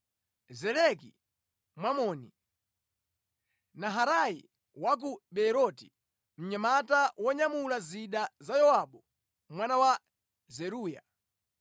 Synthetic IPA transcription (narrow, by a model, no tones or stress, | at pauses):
zɛlɛk̬ḭ | mwamɔːni | naɦaɾajḭ | wak̬uɓɛɾɔti̥ | m̩ɲamatawɔɲamulaziɗazajɔwaɓɔ | mwanawa | zɛɾuːja̰